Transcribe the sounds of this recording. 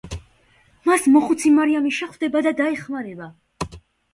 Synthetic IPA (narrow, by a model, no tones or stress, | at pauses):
masmɔχut̪sʰimaɾiamiʃɛχd̪ɛbad̪ad̪aɛχmaɾɛba